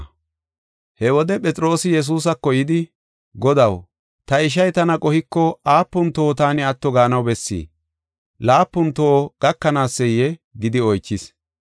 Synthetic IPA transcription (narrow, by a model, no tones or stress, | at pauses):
hɛwɔd̪ɛpʼɛt͡sʼɾo̞ːsɪjɛs̬uːs̬ɐkːɔjɪd̪ɪ | ɡɔd̪ɐw | t̪ɐɪʃ̬ɐjt̪ɐnɐkʼɔhɪkːɔaːpːʊnt̪oːt̪aːnɪɐt̪ːɔɡaːnɐwbɛsːḭː | laːpːʊnt̪oːɡ̥ɐkːɐnaːsːɛjːɛɡɪd̪ɪɔjt͡ʃːɪs